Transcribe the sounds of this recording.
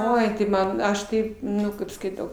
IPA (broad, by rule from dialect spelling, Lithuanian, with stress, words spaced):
ˈoːɪ tɐɪ ˈmɐn ˈɐʃ ˈkɐɪp ˈnʊ ˈkɐɪp skɐɪˈtɐʊ